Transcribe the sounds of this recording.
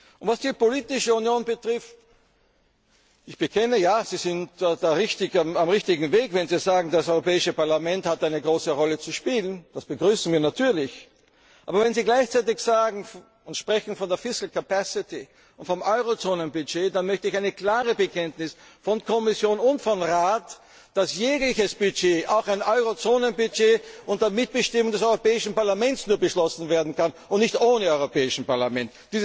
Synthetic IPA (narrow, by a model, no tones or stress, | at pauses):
ʔʊntv̥asd̥iːpoliːtɪʃəunjoːnbətʁ̥ɪft | ɪçb̥əkʰɛnəjaːz̥iːzɪntːdaːʁɪçtɪçamamʁɪçtɪɡŋ̩veːkvɛnziːzaːɡŋ̩dasɔʏʁopɛːɪʃəpaɐlamɛnthatʔaɪnəɡʁoːsəʁɔlət͡suʃpiːlənd̥asb̥əɡʁyːsn̩viːɐnatʰyːɐlɪç | ʔaːbɐvɛnziːɡlaɪçt͡saɪtɪçz̥aːɡŋ̩ | ʊntʃpʁ̥ɛçn̩fɔndeːɐfɪskl̩kʰapasɪti | ʔʊntfɔmʔɔʏʁot͡soːnənbyd͡ʒeːdanmœçtəɪçaɪnəkl̥aːʁəbəkʰɛntnɪsfɔnkʰɔmɪsjoːnʊntfɔnʁaːt | d̥asjeːɡlɪçəsb̥yd͡ʒeːʔaʊxaɪnʔɔʏʁot͡soːnənbyd͡ʒeːʊnt̚d̥eːɐmɪt̚b̥əʃtɪmʊŋdɛs̬ɔʏʁopɛːɪʃn̩paɐlamɛ̃ntsnuːɐbəʃlɔsn̩veːɐdn̩kan | ʊntnɪçtʔoːnəɔʏʁopɛːɪʃn̩paɐlamɛntd̥iːz